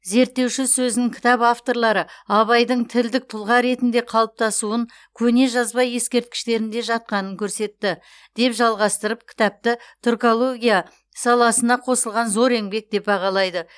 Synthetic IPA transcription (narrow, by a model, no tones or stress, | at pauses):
ze̞ɾt̪ːe̞wʃɪsɵzɪnɪŋkʲʰɪ̥t̪ɑpaft̪o̞ɾlˠɑɾəɑβɑjd̪əɴt̪ʰɪld̪ɪk̚t̪ʰʊlˠʁɑɾe̞t̪ɪnd̪e̞qʰɑlˠəp̚t̪ɑsuəŋ | kʲʰɵne̞ʒɑzbɑje̞skʲe̞ɾt̪̚kʲɪ̥ʃt̪e̞ɾɪnd̪e̞ʒɑt̪̚qɑnəŋkʲʰɵɾse̞t̪ːɪ | d̪̥e̞pʒɑlˠʁɑst̪əɾəp̚kʲʰɪ̥t̪ɑp̚t̪ət̪ʰorko̞lˠo̞ɡʲija | sɑlˠɑsənɑqʰo̞səlˠʁɑnzo̞ɾe̞ŋbe̞k̚d̪e̞p̚bɑʁɑlˠɑjd̪ə